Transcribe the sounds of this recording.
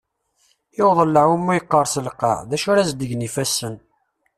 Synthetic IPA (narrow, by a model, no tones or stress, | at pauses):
jowðˤəlːəʕumːujəqːəɾˤsəlqːɑ̰ðæʃʊɾæzd̪əʝnifæsːən